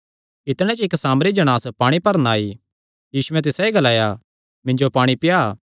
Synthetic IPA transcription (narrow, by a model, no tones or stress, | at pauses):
ɪt̪ɽ̃ɛ̃t͡ʃɪksaːmɾid͡ʒɐɽ̃aːspaːɽ̃ipɐɾnaːi | jiːsʊɛ̃t̪̬ɪsaiɡɐlaːja | mɪ̃ɲd͡ʒopaːɽ̃ipɪjaː